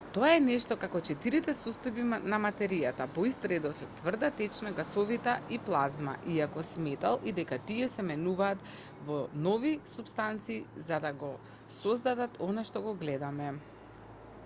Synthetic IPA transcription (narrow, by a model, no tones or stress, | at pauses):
t̪oaɛnɛʃt̪ɔkakɔt͡ʃɛt̪iɾit̪ɛsɔst̪ɔjbinamat̪ɛɾijat̪apɔist̪ɾɛd̪ɔsɛt̪vr̩d̪at̪ɛt͡ʃnaɡasɔvit̪aiplˠazma̰ʔiakɔsmɛt̪alˠʔid̪ɛkat̪iɛsɛmɛnuvaːt̪ | vɔnɔvisupst̪ant̪siːzad̪aɡɔ | sɔzd̪ad̪at̪ɔnaʃt̪ɔɡɔɡlɛd̪amɛ